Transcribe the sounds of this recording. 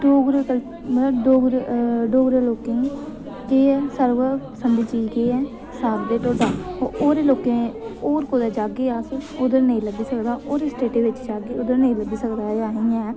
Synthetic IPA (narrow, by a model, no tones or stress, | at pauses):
ɖoːɡɾəkə | mələbɖoːɡɾɖoːɡɾəloːkẽː | keːsəɾʋəsəɳɖiːt͡ʃiːɡeːɛː | saːbd̪eːʈoːɖaːooːɾeːloːkẽːoːɾkoːd̪aːd͡ʒaːɡeːaːsʊd̪əɾnəĩːləɡiːsəkd̪aːʔoːɾeːsʈeːʈeːʋɪt͡ʃd͡ʒaːɡeːʊd̪əɾnəĩːləɡiːsəkd̪aːd͡ʒaːɦĩːɛ̃ː